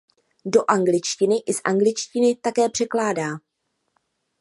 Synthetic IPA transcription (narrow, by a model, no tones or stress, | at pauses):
do̞ʔaŋɡlɪt͡ʃcɪnɪʔɪsʔa̰ŋɡlɪt͡ʃcɪnɪt̪akɛːpr̝̥ɛklaːdaː